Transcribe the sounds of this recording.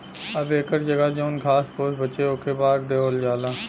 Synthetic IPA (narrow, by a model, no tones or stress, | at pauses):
əbeːkəɾd͡ʒəɡaːd͡ʒoːnkʰaːspoːsbəːʃeːoːkʰeːbaːɾd̪eoːld͡ʒaːlaː